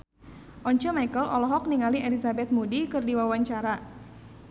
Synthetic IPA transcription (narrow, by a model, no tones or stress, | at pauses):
ʔɔɲt͡ʃəmajkəlʔɔlɔɦɔk̚niŋaliʔelizabɛt̪̚mudikɨrdiwawaɲt͡ʃaɾa